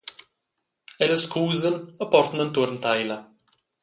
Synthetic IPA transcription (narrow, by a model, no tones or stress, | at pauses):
ɛləskʰuːzənəpɔɾt̪nənt̪uɾnt̪ajla